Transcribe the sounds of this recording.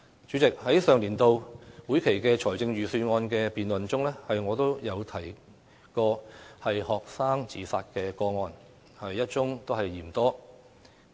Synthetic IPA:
t͡ʃyː˨˥t͡sɪ˨k̚hɐ˨˥jsœː˨ŋliː˨˩nt̪o˨˧wwuː˨˥jkʰe˨˩jkɛː˧t͡ʃʰɔː˨˩jt͡sɪ˧ŋɥyː˨syː˧ŋɔː˧nkɛ˧piː˨nlɵ˨˩nt͡sʊ˥ŋlɛː˥hɐ˨jŋɔː˨˧t̪o˥wjɐ˨˧wt̪ʰɐ˨˩j | kɔː˧hɐ˨jhɔː˨k̚saː˥ŋt͡siː˨˩saː˧t̚kɛː˧kɔː˧ŋɔː˧n | hɐ˨jːɐ˥t̚t͡sʊ˥ŋt̪o˥whɐ˨jːiː˨˩mt̪ɔː˥

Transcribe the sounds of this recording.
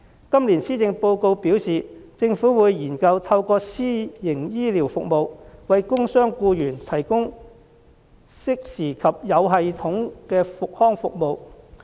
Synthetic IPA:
kɐ˥mliː˨˩nsiː˥t͡sɪ˨˧ŋpo˧wko˧wpiː˨˥wsiː˨t͡sɪ˧ŋfuː˨˥wuː˨˧jjiː˨˩nkɐ˧wt̪ʰɐ˧wkɔː˧siː˥jɪ˨˩ŋjiː˥liː˨˩wfʊ˨k̚mo˨wwɐ˨jkʊ˥ŋsœː˥ŋkuː˧jyː˨˩nt̪ʰɐ˨˩jkʊ˥ŋ | sɪ˥k̚siː˨˩kʰɐ˨p̚jɐ˨˧wɦɐ˨jt̪ʰʊ˨˥ŋkɛː˧fʊ˨k̚hɔː˥ŋfʊ˨k̚mo˨˧w

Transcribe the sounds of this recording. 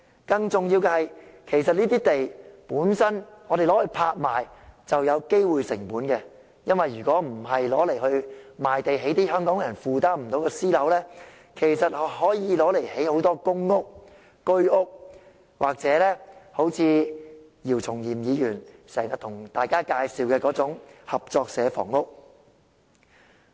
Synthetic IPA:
kɐ˧ŋt͡sʊ˨ŋji˧wkɛ˧hɐ˨jkʰe˨˩jsɐ˨t̚niː˥t̪iː˥t̪e˨jpuː˨˥nsɐ˥nɔː˨˧ɾe˨jlɔː˨˥hɵ˧ɥpʰaː˧t̚maː˨˩jt͡sɐ˨wjɐ˨˧wke˥jwuː˨jsɪ˨˩ŋpuː˨˥nkɛ˧ | jɐ˥nwɐ˨jːyː˨kɔː˨˥m̩˨˩ɦɐ˨jlɔː˨˥le˨˩jhɵ˧ɥmaː˨jt̪e˨jɦe˨˥jt̪iː˥ɦœː˥ŋkɔː˨˥ŋjɐ˨˩nfuː˨t̪aː˥m̩˨˩t̪o˨˥wkɛː˧siː˥lɐ˨˧˥wlɛː˥ | kʰe˨˩jsɐ˨t̚hhɔː˨˥jiː˨˧lɔː˨˥le˨˩jhe˨˥jho˨˥wt̪ɔː˥kʊ˥ŋːʊ˥k̚ː | ɵ˥ɥʊ˥k̚ | waː˨k̚t͡sɛː˨˥lɛː˥ho˨˥wt͡sʰiː˨˧ | jiː˨˩wt͡sʰʊ˨˩ŋjiː˨˩mjiː˨˧jyː˨˩nsɛː˨˩ŋa˨˩t̪ʰʊ˨˩ŋt̪aː˨˩jkaː˥kaː˧jsiː˨˧wkɛː˧kɔː˨˥t͡sʊ˨˥ŋhɐ˨p̚t͡sɔː˧k̚sɛː˨˧fɔ̰ː˨˩ŋʊ˥k̚

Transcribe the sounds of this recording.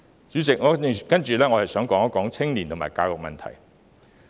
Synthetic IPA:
t͡syː˨˥t͡sɪ˨k̚ŋɔ˨˥kɐ˥nt͡ʃyː˨˩lɛː˥ŋɔ˨˧hɐ˨jsœː˨˥ŋkɔː˨˥ŋɔ˥kɔː˨˥ŋt͡sʰɪ˥ŋli˨nt̪ʰʊ˨˩ma̰ː˨˩jkaː˧wjʊ˨k̚mɐ̰˨nt̪ʰɐ̰˨˩j

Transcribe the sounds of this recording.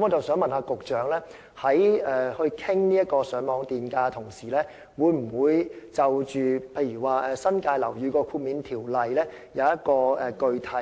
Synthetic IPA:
mɔː˨˧t͡sɐ˨wsœː˨˥ŋmɐ˨nhaː˧kʊ˨k̚t͡ʃœː˨˥ŋlɛː˥ | hɐ˨˥jɛː˨hɵ˧ɥkʰɪ˥ŋniː˥jɐ˥t̚kɔː˧sœː˨˥ŋmɔː˨˧ŋt̪iː˨nkaː˧t̪ʰʊ˨˩ŋsiː˨˩lɛː˥ | wuː˨˧jm̩˨˩wuː˨˧jt͡sɐ˨wt͡ʃyː˨pʰe˧jɥyː˨˩waː˨˩ʔɛː˨˧sɐ˥nkaː˧jlɐ˨˩wjyː˨˧kɔː˧kʰuː˧t̚miː˨˥nt̪ʰiː˨˩wlɐ˨jlɛː˥ | jɐ˨˧wjɐ˥t̚kɔː˧ɛː˨˩kɵ˧ɥt̪ʰɐ˨˩

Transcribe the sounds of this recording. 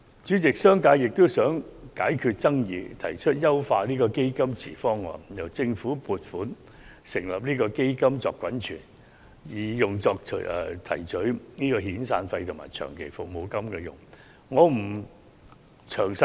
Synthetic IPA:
t͡ʃyː˨˥t͡sɪ˨k̚sœː˥ŋkaː˧jjɪ˨k̚t̪o˥wsœː˨˥ŋkaː˨˥jkʰyː˧t̚t͡sɐ˥ŋjiː˨˧t̪ʰɐ˨˩jt͡ʃʰɵ˥t̚jɐ˥wfaː˧liː˥kɔː˧ke˥jkɐ˥mt͡sʰḭː˨˩fɔː˥ŋːɔ̰ː˨˧jɐ˨˩wt͡sɪ˧ŋfuː˨˥puː˨t̚fuː˨˥n | sɪ˨˩ŋlɐ˨p̚niː˥kɔː˧ke˥jkɐ˥mt͡sɔː˨˧kʷːwɐ˨˥nt͡ʃʰyː˨˩n | jiː˨˩jʊ˨ŋt͡sɔː˧k̚ʰːt̪ʰɐ˨˩jt͡sɵ˨˥ɥniː˥kɔː˧hiː˨˥nsa̰ː˧nfɐ˧jt̪ʰʊ˨˩ŋma̰ː˨˩jt͡ʃʰœ̰ː˨˩ŋkʰe˨˩jfʊ˨k̚mo˨˧wkɐ˥mkɛː˧jʊ̰˨˩ŋ | ŋɔː˨˧m̩˨˩ | t͡ʃʰœː˨˩ŋs

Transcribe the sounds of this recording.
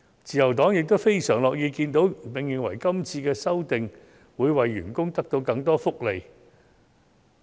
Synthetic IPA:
t͡siː˨˩jɐ˨˩wt̪ɔː˨˥ŋjɪ˨k̚t̪o˥wfe˥jsœː˨˩ŋlɔː˨k̚jiː˧kiː˧nt̪o˨˥wpɪ˨˩ŋjɪ˨˩ŋwɐ̰˨˩jkɐ˥mt͡sʰiː˧kɛː˧sɐ˥wt̪ɪ˨ŋ | wuː˨˧˥jwɐ˨jːy̰ː˨˩nkʊ˥ŋt̪ɐ˥k̚t̪o˧wkɐ˧ŋt̪ɔː˥fʊ˥k̚le˨˧j

